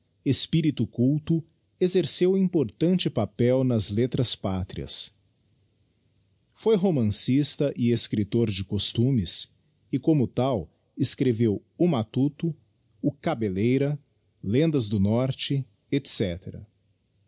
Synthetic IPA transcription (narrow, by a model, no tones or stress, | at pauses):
espiɾit̪ʊkuwt̪ʊ | ezeɾsewĩpoɾt̪ɐ̃nt͡ʃɪpapɛwnɐzlet̪ɾɐspat̪ɾiɐ̰s | fojɦomɐ̃sist̪ɐʔɪeskɾit̪oɾd͡ʒɪkost̪ũmɪs | ɪkõmʊt̪aw | eskɾevewʊmat̪ut̪ʊ | ʊkabelejɾɐ | lẽnd̪ɐzd̪ʊnɔɾt͡ʃɪ | et̪sɛt̪eɾɐ̰